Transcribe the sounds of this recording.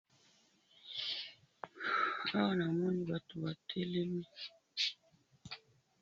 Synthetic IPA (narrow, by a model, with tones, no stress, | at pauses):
ha˦wa˦˨na˨mɔ˦ni˨wa˦tu˨wa˨tʰɛ˦lɛ˦mi˦